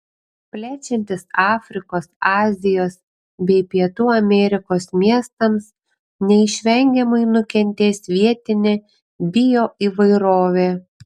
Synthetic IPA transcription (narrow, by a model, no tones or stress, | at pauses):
pʲlʲæːt͡ʃʲɛnʲt̪ʲɪsɑːfʲɾʲɪkoːsɑːzʲɪjoːs | bʲɛɪpʲiɛt̪uːɐmʲɛɾʲɪkoːsmʲiɛst̪ɐms | nʲɛɪʃʲʋʲɛŋʲɡʲɛmɐɪnʊkʲɛnʲt̪ʲeːsʲʋʲiɛt̪ʲɪnʲe | bʲɪjoːʔiːʋɐɪɾoːʋʲeː